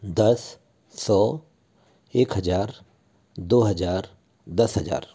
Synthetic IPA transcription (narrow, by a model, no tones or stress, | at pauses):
d̪ɐsː | ɔː | eːkɦɐd͡ʒaːɾ | d̪oːɦɐd͡ʒaːɾ | d̪ɐsɦɐd͡ʒa̰ːɾ